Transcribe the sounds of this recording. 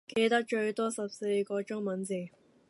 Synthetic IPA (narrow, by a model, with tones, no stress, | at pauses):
ke˧jt̪ɐ˥k̚t͡ʃɵ˧ɥt̪ɔː˥sɐ˨p̚se˧jkɔː˧t͡ʃʊ˥ŋmɐ˨˥nt͡si˨˩ŋ